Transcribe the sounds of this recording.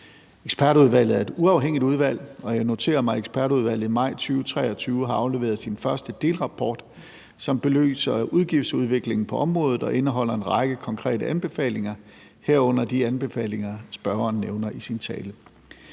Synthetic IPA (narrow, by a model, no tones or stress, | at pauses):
eɡ̥sb̥æɐɾ̥uð̞ˠʋæl̰ð̩ˠæɐe̝d̥uɑ̈ʊɦeŋ̰id̥uð̞ˠʋæl̰ɒ̽jɑ̈ɪno̝t͡sʰe̝̰ːɐmɑ̈ɪeɡ̥sb̥ʰæɐɾuð̞ˠʋæl̰ð̩ˠimɑ̈ɪ̰t͡sʰyːʊt͡sʰʁɛ̰ːɒ̽t͡sʰyːʊəɦɑ̈ɑ̈ʊle̝ːʋe̝ːɐðˠsinfɶɐsd̥əd̥e̝̰ːlʁɑ̈pʰɒ̰ːd̥ | sɒ̽mb̥e̝lø̰ːsɐuð̞ˠɡ̥ifd̥suð̞ˠʋe̝ɡ̥le̝ŋn̩pʰɒ̽ʔɒ̽mʁɔ̽ːðð̩ˠɒ̽ʔe̝nəɦɒ̽l̰ɐe̝nʁɑ̈ɡ̥əkʰɒ̽ŋkʰʁɛ̰ːdəʔænb̥e̝fɛ̰ːle̝ŋɐ | heɐ̰ɔ̽n̰ɐd̥iænb̥e̝fɛ̰ːle̝ŋɐsb̥ɶɐɐːnːeʊnɐʔisint͡sʰɛ̰ːlə